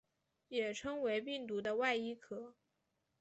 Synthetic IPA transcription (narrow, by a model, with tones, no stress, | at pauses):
jɛ˨˩ʈ͡ʂʰɤ˥ŋwe˧˥ɪpi˥˩ŋt̪u˧˥d̪ə˧wa˥˧ɪi˥˩kʰɤ˨˩˦